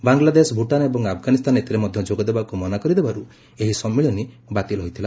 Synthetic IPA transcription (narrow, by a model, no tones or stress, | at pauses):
baŋɡlad̪esɔbʱuʈanebɔŋɡapʰɡanist̪ʰanet̪iɾemɔd̪ʱjɔd͡ʒoɡɔd̪ebakumɔnakɔɾid̪ebaɾu | eɦisɔmːiɭɔni | bat̪ilɔɦɔjt̪ʰila